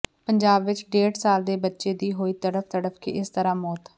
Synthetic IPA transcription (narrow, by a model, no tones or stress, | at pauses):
pəɲd͡ʒaːbʋɪt͡ʃɖeːɽsaːld̪eːbətːʃeːd̪iːɦoːiːt̪əɽəpʰt̪əɽəpʰkḭʔɪst̪əɾãːmɔːt̪